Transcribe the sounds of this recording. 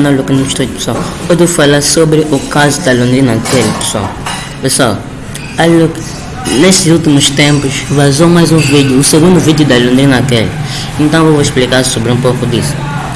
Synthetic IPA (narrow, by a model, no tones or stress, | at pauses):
naluknũʃt̪ope̥swawod̪efalaɾsobɾɪʔukazud̪ɐlõnd̪ɾinɐkelipe̥swa̰w | peswaw | aluk | neʃt̪ɪzulˠt̪imuʃt̪ẽmpuʃvazowmajzũvid̪juːseɡũnd̪uvid̪jud̪ɐlõnd̪ɾinɐkɛli | ẽnt̪ɐ̃w̃oiʃplikaɾsobɾiũpokud̪isu̥